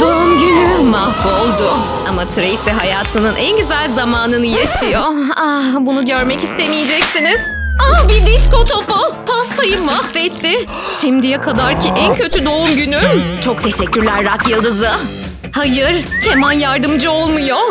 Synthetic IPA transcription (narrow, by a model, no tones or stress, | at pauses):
d̪oumɟynymahvo̞lˠd̪ʊ | amat̪ʰɾeisɛɦajaːt̪ʰɯnɯnʔænɟyzælʲzamaːnɯnɯjaʃɯjoabunuɟøɾmɛcist̪emijɛd͡ʒɛcsiniz̥abid̪isko̞t̪ʰo̞popʰast̪ʰajɯmahvɛt̪ʰːɪ | ʃimd̪ijɛkʰad̪aɾcʰiʔæncʰø̞t̪ʰyd̪o̞umɟynyt͡ʃʰo̞k̚t̪ʰe̞ʃɛcʲːyɾlʲæɾːakjɯlˠd̪ɯzɯ | hajɯɾ̥cʰemanjaɾd̪ɯmd͡ʒɯo̞lˠmujo